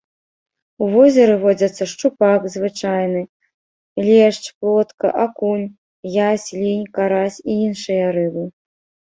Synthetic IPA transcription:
uvɔzʲɛɾɨvɔd͡zʲɐt̪sːɐʂt͡ʂupakzvɨt͡ʂajnɨ | lʲɛʂt͡ʂplˠɔt̪kɐ̰ʔakunʲ | jasʲlʲinʲkaɾasʲiinʂɨjɐɾɨbɨ

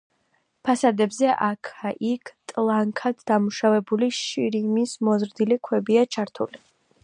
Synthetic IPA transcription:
pʰasad̪ɛbzɛʔakʰaʔikʰt̪ʼlˠaŋkʰad̪d̪amuʃavɛbuliʃiɾimismɔzɾd̪ilikʰwɛbiat͡ʃʰaɾt̪ʰuli

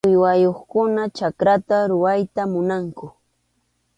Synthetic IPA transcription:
ʊjwajoχkʊnat͡ʃakɾat̪aɾʊwajt̪amʊnaŋkʊ

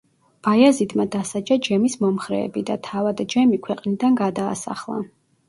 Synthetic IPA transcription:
b̥ajazid̪mad̪asad͡ʒad͡ʒɛmismɔmχɾɛ̰ːbid̪at̪ʰavad̪d͡ʒɛmikʰwɛqʼnid̪anɡad̪a̰ːsa̰χlˠa̰

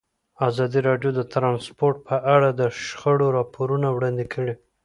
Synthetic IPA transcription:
azɑd̪iɾɑɖjod̪ət̪ɾɑnspoɾʈ̚pʰəʔaɽad̪əʃxəɽoɾɑpʰoɾunawɽɑnd̪ekʰəɽi

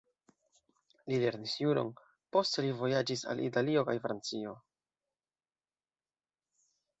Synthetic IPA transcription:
lile̞ɾnisjuɾo̞̰n | po̞stelivo̞jad͡ʒisa̰lʔḭtalio̞kajfɾant͡sio̞

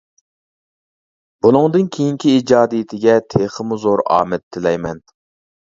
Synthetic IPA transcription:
b̥unɨŋd̪ɨnkʲʰejiŋkʲʰiid͡ʒɑːd̪ijit̪ʰɪɡʲɛt̪ʰeχəmuzoɾɑ̰ːmɛt̪ʰːɪlɛjmɛn

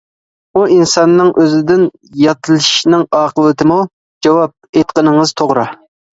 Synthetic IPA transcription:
uinsɑnːɨŋʔøzɪd̪ɪn | jɑt̪ʰɨlˠʃnɪŋɑːqəlˠɨt̪ʰɪmu | d͡ʒɑwɑp̚et̪qənɨŋɨz̥t̪ʰoʁɾɑ

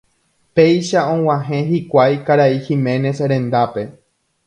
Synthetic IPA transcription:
pe̞jʃaõ̞w̃ãɦẽ̞ɦikʷajkaɾaihĩmẽ̞ne̞sɾẽ̞nd̪ape̞

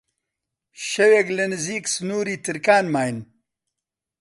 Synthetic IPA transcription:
ʃɐweklɨnɨziːksɨnuːɾiːt̪ʰɨɾkaːnmaːjn

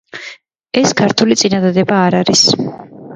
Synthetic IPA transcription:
ɛskʰaɾt̪ʰulit̪sʼinad̪ad̪ɛbaːɾaɾis

